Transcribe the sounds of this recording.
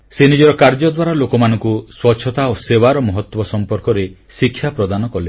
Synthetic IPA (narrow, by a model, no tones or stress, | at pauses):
senid͡ʒɔɾɔkaɾd͡ʒɔd̪waɾalokɔmanɔ̃ŋkuswɔtːt͡ʃʰːɔt̪aosewaɾɔmɔɦɔt̪wɔsɔmpɔɾkɔɾe | sikʰjapɾɔd̪anɔkɔle